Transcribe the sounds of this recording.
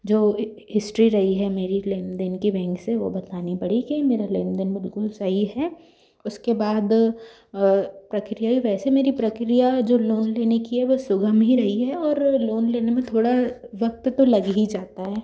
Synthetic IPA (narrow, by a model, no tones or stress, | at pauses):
d͡ʒoː | ɦɪsʈɾiɾɐɦiɦɛmeːɾileːnd̪ənkibɛ̃ːŋkseʋo̰bɐt̪aːnipɐɽ̤ikimeːɾaleːnd̪ənbɪlkʊlsɐɦiɦɛː | ʊskebaːd̪ | pɾɐkɾijaiʋɛːsemeːɾipɾɐkɾijad͡ʒoːloːnleːnekiɦɛʋosʊɡəmɦiɾɐɦiɦɛɔːɾloːnleːnemẽt̪ʰoːɽa | ʋɐk̚t̪ːolɐɡɦid͡ʒaːt̪aɦɛː